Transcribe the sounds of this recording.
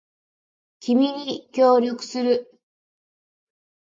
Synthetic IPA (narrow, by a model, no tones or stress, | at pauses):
kʲimʲiɲ̟ikʲo̞ːɾʲjo̞kɯ̟̥sɨɾɯ